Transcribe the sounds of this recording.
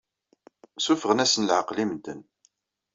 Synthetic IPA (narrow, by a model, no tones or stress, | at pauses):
sufəʁənæsənlʕəqlimnd̪ən